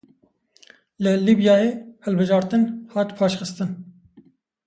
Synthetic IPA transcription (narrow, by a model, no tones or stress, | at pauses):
lɨliːbjɑːjeːhɛlbɨʒɑːɾt̪ɨnhɑːt̪pʰɑːʃxɨst̪ɨn